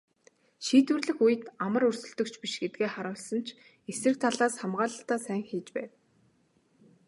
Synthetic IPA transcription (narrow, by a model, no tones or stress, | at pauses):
ʃiːt̪wɘ̆rɮɘ̆xujɘ̆t̪amə̆rɵrsɵ̆ɮt̪ɵ̆kt͡ɕʰpiʃɡet̪̚ɡeːχaɾə̆wɮsə̆nt͡ɕʰ | esrɘ̆k̚t̪ʰaɮaːsχamɢaːɮə̆t̪aːsæːŋxiːt͡ɕpæːw